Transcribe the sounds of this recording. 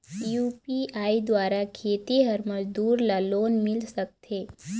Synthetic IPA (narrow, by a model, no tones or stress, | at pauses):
juːpiaːid̪waːɾakʰeːt̪iɦɐɾmɐd͡ʒd̪uːɾlaloːnmɪlsək̚t̪eː